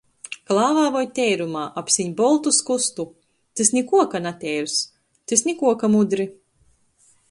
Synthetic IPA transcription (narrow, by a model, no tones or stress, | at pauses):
klˠaːvaːvɔjt̪ʲɛjɾumaːʔapsiɲbɔlˠt̪uskust̪u | t̪esnʲikuɔkanat̪ʲɛjɾus | t̪esnʲikuɔkamud̪ɾi